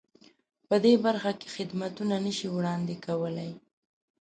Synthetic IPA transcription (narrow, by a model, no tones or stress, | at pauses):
pəd̪ebaɾxake̥xɪd̪mat̪unanəʃiwɽɑnd̪ekawəlaj